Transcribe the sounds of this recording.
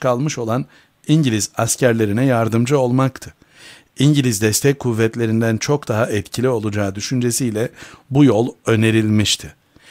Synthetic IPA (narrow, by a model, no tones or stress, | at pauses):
kʰalˠmɯʃo̞lˠan | iɲɟilʲizascʰæɾlʲe̞ɾinɛjaɾd̪ɯmd͡ʒɯo̞lˠmakt̪ʰɯ | iɲɟilʲizd̪ɛst̪ʰɛc̚kʰːuvːɛt̪lʲe̞ɾind̪ænt͡ʃʰo̞kd̪aɦaʔɛt̪cʰilʲio̞lˠud͡ʒaːd̪yʃynd͡ʒe̞sijlʲɛbujo̞lˠø̞ne̞ɾilʲmiʃt̪ʰɪ